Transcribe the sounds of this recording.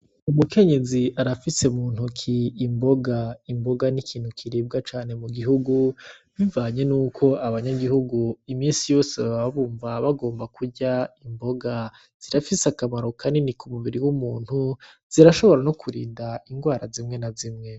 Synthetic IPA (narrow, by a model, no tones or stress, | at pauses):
umukʰe̞ɲe̞ziaɾafise̞muːn̥hukʰiːmbo̞ɡaimbo̞ɡanikʰiːnhukʰiɾiːb̚ɡat͡ʃaːne̞muɡiɦuɡuβivaːɲe̞nuːkʰo̞aβaɲaɡihuɡuimiːnsijo̞ːseβaβaβaβuːɱvaβaɡo̞ːmbakʰuɟaimbo̞ɡa | z̥iɾafiseakamaɾo̞kʰaninikumuβiɾiwumuːn̥hu | z̥iɾaʃo̞βo̞ɾano̞kʰuɾḭːndaiŋɡwaːɾazimŋe̞nazimŋe̞